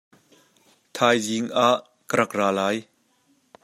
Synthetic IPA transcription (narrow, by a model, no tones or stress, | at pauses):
t̪ʰaːjziŋʔaʔ | kəɾɐk̚raːlaːj